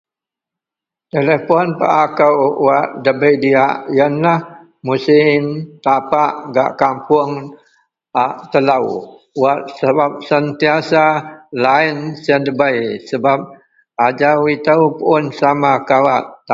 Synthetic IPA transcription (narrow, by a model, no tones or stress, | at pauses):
t̪elepɔnpa̰ʔakəwwaʔdəbəjdiaʔjənlah | musɪmt̪apaʔɡa̰ʔkampʊŋ | aʔt̪əlaw | waʔ̚səbap̚sənt̪iasalaɪnsəndəbəjsəbap̚ | ad͡ʒawit̪əwpuʊnsamakawaʔ̪a